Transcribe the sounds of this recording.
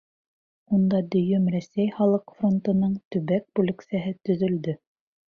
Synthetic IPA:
und̪ɑd̪ɵ̆jɵmɾæsæjχɑlˠɤqfront̪ɤ̆nɤɴt̪ɵ̆βæk̚bʉlɘ̆ksæɦɘt̪ɵ̆ðɵ̆ld̪ɵ

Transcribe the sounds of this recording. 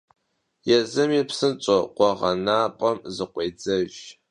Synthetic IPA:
jɛzɨmiːpsɨnt͡ʃʼoqʷɔʁɐnaːpʼɐmzɨqʷʼeːd͡zɐʒ

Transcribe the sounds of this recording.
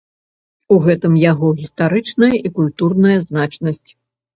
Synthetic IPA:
uɣɛt̪ɨmjaɣɔɣʲist̪aɾɨt͡ʂnɐjɐʔikulʲt̪urnɐjɐznat͡ʂnɐsʲt͡sʲ

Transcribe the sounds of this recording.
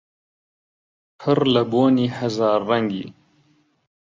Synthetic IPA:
pʰɨɾlɐboːniːhazɑːɾːɐŋɡḭː

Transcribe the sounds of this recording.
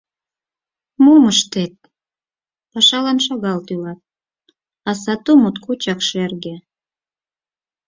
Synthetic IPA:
muməʃt̪et̪̚ | pɑʃɑlɑnʃɑɣɑlt̪ylɑt̪̚ | ɑsɑt̪umut̪kut͡ɕɑkʃerɣe

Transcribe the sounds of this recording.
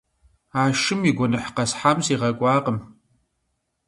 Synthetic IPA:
aːʃɨmiɡʷɔnɨħqɐsħamziːʁɐkʷʼɑːqəm

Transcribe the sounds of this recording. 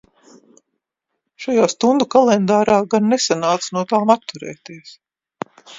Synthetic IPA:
ʃajaːst̪und̪ukalˠɛnd̪aːɾaːɡanːɛsanaːt̪snuɔt̪aːmat̪ːuɾɛ̰ːt̪iɛs

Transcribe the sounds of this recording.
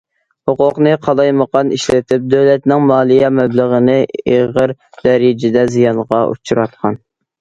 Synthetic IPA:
hoqʊqnɨqʰɑlˠɑjməqʰɑniʃlɪt̪ʰɪp̚d̪øwlɛt̪nɪŋmɑːlˠijɛmɛbləʁənɨeʁəɾd̪̥ɛɾɪd͡ʒɪd̪ɛzijɑnʁɑʔṵt͡ʃʰuɾɑt̪̚qʰɑn

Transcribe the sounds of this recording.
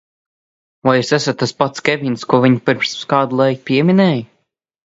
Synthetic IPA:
vajusɛsat̪̚t̪aspat̪skʲɛvʲinskuɔviɲpɨɾmskaːd̪lˠajkpʲiɛmʲinɛːj

